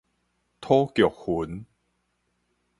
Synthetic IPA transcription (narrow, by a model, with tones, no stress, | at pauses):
t̪ʰɔː˦kjɔ˨˩k̚hu˨˦n